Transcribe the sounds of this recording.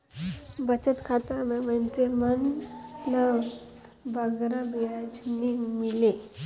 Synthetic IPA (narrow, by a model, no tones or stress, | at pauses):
bət͡sət̪kʰat̪aməmənt͡semənləw | bəɡɾəbiad͡znimile